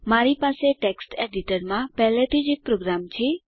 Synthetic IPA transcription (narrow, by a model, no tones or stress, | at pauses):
maɾipaseʈeksʈeɖiʈəɾmãpɛɦlet̪ʰid͡ʒek̚pɾoɡɾamt͡ʃʰe